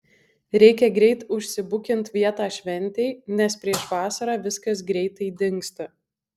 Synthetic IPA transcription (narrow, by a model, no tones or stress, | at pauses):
ɾʲɛɪkʲɛɡɾʲɛɪt̪ʊʃʲsʲɪbʊkʲɪnt̪ʋʲiɛt̪ɑːʃʲʋʲɛnʲˑt̪ʲɛɪnʲɛspʲɾʲiɛʃʋɑːsɐɾɑːʋʲɪskɐsɡɾʲɛɪt̪ɐɪd̪ʲɪŋkst̪ɐ